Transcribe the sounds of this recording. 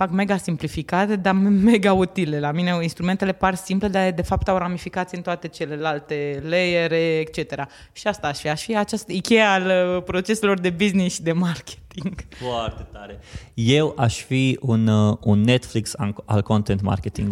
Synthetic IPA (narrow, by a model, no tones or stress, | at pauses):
fakme̞ɡasimplifikat̪ed̪ame̞ɡaut̪ile̞lamine̞inst̪ɾume̞nt̪e̞le̞parsimple̞d̪aed̪e̞fap̚t̪awɾamifikat̪siɨnt̪oat̪e̞t͡ʃe̞le̞lalt̪e̞lejeɾe̞ːk̚t͡ʃe̞t̪e̞ɾa | ʃiast̪aːʃfiaʃfiat͡ʃast̪əikʲe̞jaːlpɾot͡ʃe̞selo̞rd̪e̞biznisʃid̪e̞markʲʰe̥t̪iŋɡfoart̪et̪aɾeje̞wʔaʃfiununːet̪fliksa̰a̰lkont̪ent̪ma̰rkʲet̪ḭŋɡ